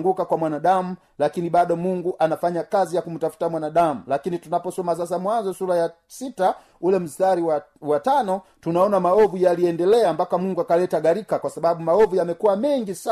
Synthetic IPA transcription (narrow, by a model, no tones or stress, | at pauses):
ŋɡukakwamwanaɗamu | lakiniɓaɗɔmuŋɡuʔanafaɲakazijakum̩tafu̥tamwanaɗamulakinitunapɔsɔmas̬as̬amwanzɔsulaja | sita | ulɛm̩staɾiwawatanɔtunaɔnamaɔvujaliɛndɛlɛambakamuŋɡuakalɛtaɡaɾikakwasaɓaɓumaɔvujamɛkuwamɛŋɡisa